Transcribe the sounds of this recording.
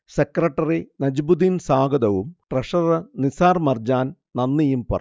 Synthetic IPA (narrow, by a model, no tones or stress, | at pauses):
sekrɐʈːɐrinɐd͡ʑbud̪insaːɡɐd̪ɐʋumʈrɐʂɐðɐnisaːrmɐrd͡ʑaːn | nɐnːijumpɐ̰rɐ